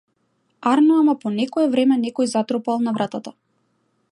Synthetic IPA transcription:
aɾnɔamapɔnɛkɔɛvɾɛmɛnɛkɔjzat̪ɾɔpalˠnavɾʔat̪at̪a

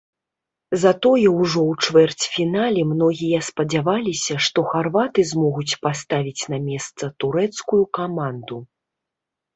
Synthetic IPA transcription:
zat̪ɔjɛwʐɔwt͡ʂvɛrt͡sʲfʲinalʲɛmnɔɣʲijɐspɐd͡zʲavalʲisʲɐʂt̪ɔxarvat̪ɨzmɔɣut͡sʲpast̪avʲit͡sʲnɐmʲɛst̪sɐt̪uɾɛt̪skujukamand̪u

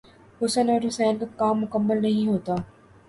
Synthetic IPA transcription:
hʊsənɔːɾɦʊsɛːnkakaːmːʊkəmːəlnɐɦĩɦoːt̪aː

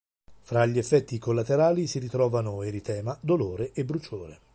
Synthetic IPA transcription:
fɾaʎːiefːɛt̪ːikolːat̪eɾaːlisiɾit̪ɾɔːvanoeɾit̪ɛːmad̪oloːɾeʔebɾut͡ʃoːɾe

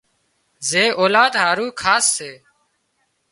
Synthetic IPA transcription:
zeːʔoːlaːd̪ɦaːɾuːkʰaːsːeː

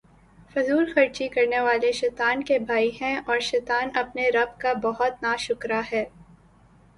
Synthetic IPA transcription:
fʊzuːlxɐɾt͡ʃikɐɾneʋaːleʃɛːt̪aːnkebʱaːiɦɛ̃ɔːɾʃɛːt̪aːnɐpneɾɐb̚kabɐɦʊt̪naʃʊkɾaɦɛː

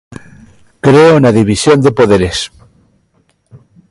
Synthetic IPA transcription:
kɾeonaðiβisjond̪epoð̞eɾes

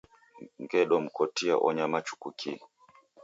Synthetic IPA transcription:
ŋɡɛɗɔm̩kɔtia̰ʔɔɲamat͡ʃu̥kukʰi

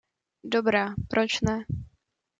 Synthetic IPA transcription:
dobɾaːpɾʔot͡ʃnɛ

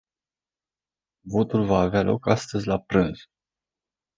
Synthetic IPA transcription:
vo̞t̪ulvaːvealʔo̞̰kast̪əzʲlapɾɨnz̥

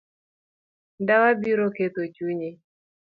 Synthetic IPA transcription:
ndawabiɾoket̪ot͡ʃuɲe

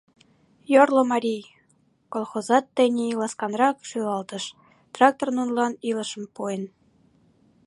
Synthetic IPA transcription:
jorlŏmɑɾʲij | kolˠxozɑt̪ːə̆nʲeilˠɑskɑnrɑkʃylɑlt̪ə̆ʃ | t̪rɑk̚t̪ornunlɑnilə̆ʃə̆mpuen

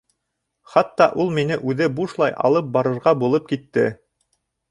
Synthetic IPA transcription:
χɑt̪ːɑʔulˠminɘʔʉðɘbuʃlˠɑjʔɑ̰lˠɤp̚bɑɾɤ̆ɾʁɑbulˠɤp̚kit̪ːɘ

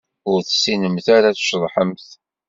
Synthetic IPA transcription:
ʊɾθsinəmθaɾaθʃðˤħəmθ

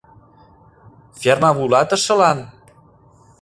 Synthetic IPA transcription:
fermɑβulɑt̪ə̆ʃɤ̆lɑn

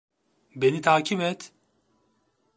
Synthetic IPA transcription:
benit̪ʰaːcʰibɛt̪

